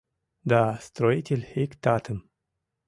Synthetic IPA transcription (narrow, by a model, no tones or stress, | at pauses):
d̪ast̪ɾɔjt̪ʲilhekt̪at̪ʰən